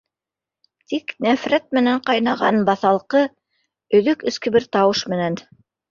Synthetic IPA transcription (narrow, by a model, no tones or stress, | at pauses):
t̪iknæfɾæt̪̚mɘ̆næɴqɑjnɑʁɑnbɑθɑlˠqɤ | ɵ̆ðɵkɵ̆skɘ̆bɘɾt̪ɑwɤʃmɘ̆næn